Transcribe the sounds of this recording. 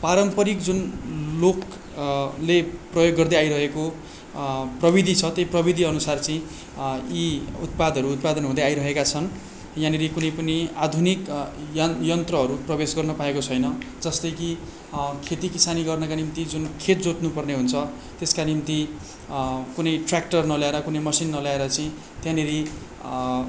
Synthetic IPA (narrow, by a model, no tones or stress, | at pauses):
paɾʌmpʌɾikd͡zunlok | leprʌjoɡːʌrd̪eajɾʌɦeko | prʌbid̪ʱit͡sʰʌt̪ejprʌbid̪ʱiʌnusart͡sʌĩ | iṵt̪̚pad̪ʌɾuːt̪̚pad̪ʌnɦũd̪aajɾʌɦekat͡sʰʌn | jãnilekunʌjpʌniad̪ʱunikjʌjʌnt̪rʌɦʌɾuprʌbesɡʌrnʌpaekot͡sʰʌjnʌd͡zʌst̪ʌjki | kʰet̪ikisaniɡʌrnʌkanimt̪id͡zunkʰet̪d͡zoʈnupʌrneɦunt͡sʰʌ | t̪eskanimt̪i | kunʌjʈrak̚ʈʌrnʌljaeɾʌkunʌjmʌsinːʌljaeɾʌt͡sʌĩ | t̪jãneɾi